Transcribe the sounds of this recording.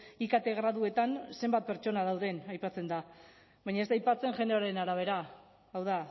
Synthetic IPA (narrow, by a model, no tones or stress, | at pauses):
ikat̪e̞ɣɾaðue̞t̪anse̞mbat̪̚pe̞ɾt͡ʃo̞nað̞awðe̞najpat͡se̞nd̪a | βajɲaest̪ajpat͡se̞nʝe̞ndeoɾenaɾaβ̞e̞ɾaː | wða